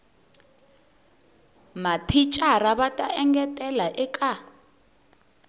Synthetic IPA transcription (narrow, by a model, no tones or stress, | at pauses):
matʰit͡ʃʼaraβatʼaʔɛŋɡɛtʼɛlaʔɛkʼa